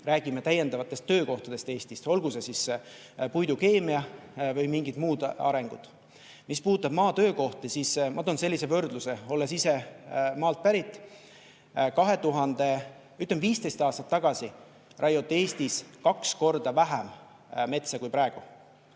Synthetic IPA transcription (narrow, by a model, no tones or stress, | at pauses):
ræːɡ̥imet̪æjːe̞nd̪ɑvɑt̪ːˑe̞st̪ːø̞ːko̞ht̪ɑd̪̥e̞st̪e̞ːst̪ist̪o̞lɡusesis | pujd̪uke̞ːmiɑvɯjmiŋɡid̪̥muːd̪ɑ̰ɾe̞ŋɡ̥ṵd̪̥ | mispuːt̪ːˑɑb̥mɑːt̪ø̞ːko̞ht̪isismʔɑt̪ːˑonse̞lʲːise̞vø̞rd̪luse̞o̞lːesise̞mɑːlt̪̚pæɾit̪ːˑ | kɑɦe̞t̪uɦɑnd̪̥e̞ | yt̪ːˑlemviːst̪e̞jst̪ɑːst̪ɑ̥t̪ːɑɡ̥ɑsi | rʔɑjo̞t̪ːˑe̞ːst̪iskɑksko̞rd̪̥ɑvæɦæm | me̞t̪sɑkujpɾɑeɡ̥u